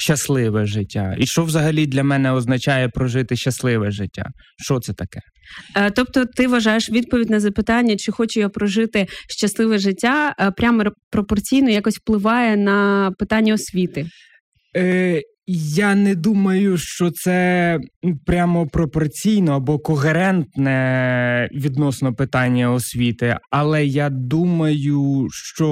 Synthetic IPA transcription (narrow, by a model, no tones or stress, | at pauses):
ʃt͡ʃːɐslˠɪʋɛʒɪtʲːa̰iʃt͡ʃɔʋzɐɦɐlʲid̪lʲɐmɛnɛɔznɐt͡ʃajɛpɾɔʒɪt̪ɪʃt͡ʃɐslˠɪʋɛʒɪtʲːa̰ | ʃt͡ʃɔt̪sɛt̪ɐkɛ̥ | t̪ɔp̚t̪ɔt̪ɪʋɐʒɑjeʃʋʲid̪̚pɔʋʲidʲnɐzɐpɪt̪ɑnʲːɐt͡ʃɪxɔt͡ʃɛjɔɔpɾɔʒɪt̪ɪʃt͡ʃɐslˠɪʋɛʒɪtʲːapɾʲamɔpɾɔpɔrt͡sʲijnɔjakɔsʲwplˠɪʋɑjɛnɐpɪt̪ɑnʲːɐɔsʲʋʲit̪ɪ | janɛd̪umɐjʊʃt͡ʃɔt̪sɛ | pɾʲamɔpɾɔpɔrt͡sʲijnɔɐbɔkɔɦeɾɛnt̪nɛ | ʋʲid̪nɔsnɔpɪt̪ɑnʲːɐɔsʲʋʲit̪ɪ̰ɐlˠɛjad̪umɐjʊʃt͡ʃɔ